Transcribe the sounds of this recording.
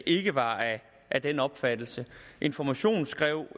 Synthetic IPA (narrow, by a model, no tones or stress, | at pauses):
ʔe̝ɡ̥əʋɑ̈ | ʔæd̥enɒ̽b̥fæd̥l̩səʔe̝nfɒmæɕo̝̰ːn̩sɡ̥ʁɛ̰ʊ̰